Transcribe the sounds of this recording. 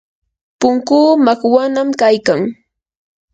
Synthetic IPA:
pʊŋkuːmakwanamkajkaŋ

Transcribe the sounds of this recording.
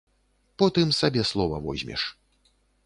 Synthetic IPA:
pɔt̪ɨmsabʲɛslˠɔvɐvɔ̰zʲmʲɛ̰ʂ

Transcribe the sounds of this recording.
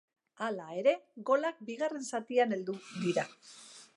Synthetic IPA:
alae̞ɾe̞ɣo̞lak̚biɣ̞are̞nsat̪iane̞ld̪ud̪iɾa

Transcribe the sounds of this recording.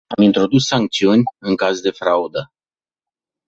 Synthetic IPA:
amint̪ɾo̞d̪usːaŋk̚t̪siunʲɨŋkazd̪e̞fɾaud̪ə

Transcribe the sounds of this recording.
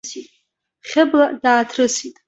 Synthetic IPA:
sitʼ | χʲɪbladaːtʰrɨsitʼ

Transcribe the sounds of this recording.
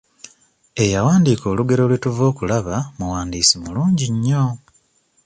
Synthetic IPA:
e̞jawaːndiːko̞ːluɡe̞ɾo̞lwituvo̞ːkulaβamuwaːndiːsimuluːɲɟiɲːo̞

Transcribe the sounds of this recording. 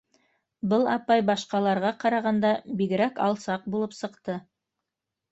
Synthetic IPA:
bɤlˠɑpɑjbɑʃqɑlˠɑɾʁɑqɑɾɑʁɑnd̪ɑbiɡɘ̆ɾækɑ̰lˠsɑq̚bulˠɤpsɤ̆qt̪ɤ

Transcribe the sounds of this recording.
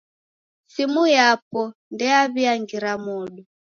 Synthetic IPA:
simujapɔndɛaβiaŋɡiɾamuɗu

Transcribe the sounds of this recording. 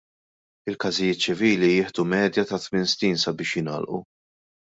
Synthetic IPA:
ɪlkɐzɪjɪːt̪̚t͡ʃɪviːlijɪːħd̪umɛːd̪jɐt̪ɐt̪mɪnsniːnsɐbɪːʃjɪnɐ̰ːlʔṵ

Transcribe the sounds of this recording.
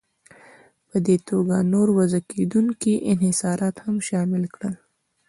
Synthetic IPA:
pəd̪et̪oɡanoɾwɐzaked̪uŋkiʔɪnhɪsɑːɾʔɑt̪hamʃɑːmɪlkɽəl

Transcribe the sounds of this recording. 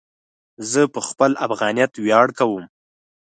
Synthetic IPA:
zəpəxpəlʔafɣɑnijat̪wjɑɽkawəm

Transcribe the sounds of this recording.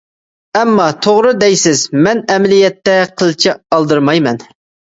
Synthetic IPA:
ɛmːɑt̪ʰoʁɾɨd̪ɛjsɪzmɛnɛmlijɛt̪ːɛqʰəlˠt͡ʃʰɪɑlˠd̪ɨɾmɑjmɛn

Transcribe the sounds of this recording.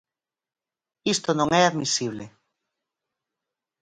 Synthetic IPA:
ist̪onõŋɛaðmisiβ̞le

